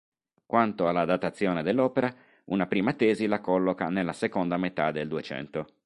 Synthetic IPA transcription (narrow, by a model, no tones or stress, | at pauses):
kwant̪oalːad̪at̪at̪sːjoːned̪elːɔːpeɾa | unapɾiːmat̪ɛːzilakɔlːokanelːasekond̪amet̪ad̪eld̪uet͡ʃɛ̰nt̪o